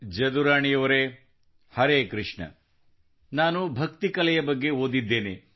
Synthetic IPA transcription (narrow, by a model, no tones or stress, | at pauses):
d͡ʒɐd̪uɾaːɳijɐʋɐɾe | hɐɾeːkɾɨʂɳɐ̰ | naːnubʱɐk̚t̪ikɐlɛjɐbɐɡːe̞ɦoːd̪id̪ːe̞ːne